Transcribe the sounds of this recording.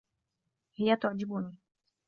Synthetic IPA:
hɪjat̪ʊʕd͡ʒɪbʊniː

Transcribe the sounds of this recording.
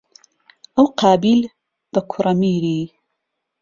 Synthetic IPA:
ʔɐwqaːbiːl | b̥ɐkʰʊrɐmiːɾiː

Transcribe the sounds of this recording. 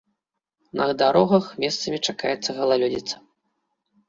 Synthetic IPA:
nʔɐɣd̪aɾɔɣɐxmʲɛst̪sɐmʲit͡ʂaka̰jɛt̪sːɐɣɐlˠalʲɔd͡zʲḭt̪sːɐ̥

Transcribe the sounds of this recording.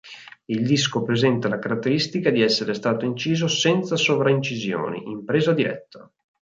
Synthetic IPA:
ild̪iskopɾezɛnt̪alakaɾat̪ːeɾist̪ikad̪iɛsːeɾest̪aːt̪oint͡ʃiːzosɛnt̪sasovɾaint͡ʃizjo̰ːnḭʔimpɾeːzad̪iɾɛ̰t̪ʰːa

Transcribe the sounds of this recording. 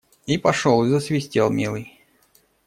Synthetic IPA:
ipɐʂolˠɨzəsvʲɪsʲtʲelˠmʲilˠɨj

